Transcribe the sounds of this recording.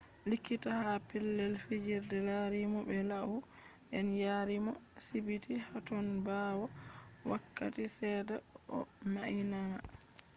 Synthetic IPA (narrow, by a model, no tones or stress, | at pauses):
likːitahapilːɛlfid͡ʒiɾdɛlaɾimɔbɛlaʔu | ʔɛnjaɾimɔ | sibitihatɔnbawɔ | wakːa̰tisɛːdɛ | ɔ̰ | maʔina